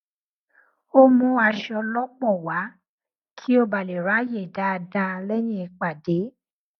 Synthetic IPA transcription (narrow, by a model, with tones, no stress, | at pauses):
o˦mũ˦a˧ʃɔ˧lɔ˦k͡pɔ˦˨wa˨˦ | kʰi˦o˦ba˨le˨ɾa˨˦je˦˨da˨˦˧dã˧lɛ˦j̃ĩ˦ɛ˧k͡pa˨de˨˦